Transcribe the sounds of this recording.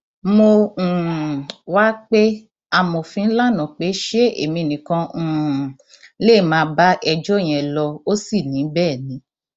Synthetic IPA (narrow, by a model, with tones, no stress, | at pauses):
mõ˧˨ | wa˦k͡pe˦ | a˧mo˨fĩ˦n̩˦la˦nã˨k͡pe˨˦ʃe˦ḛ˨mĩ˧nĩ˨kã˧˨ | le˦˨mãː˧ba˦ʔɛ˧d͡ʒɔ˦˨j̃ɛ̃˨lɔ˧o˦si˦˨nĩ˨˦bɛː˦˨nĩ˨˦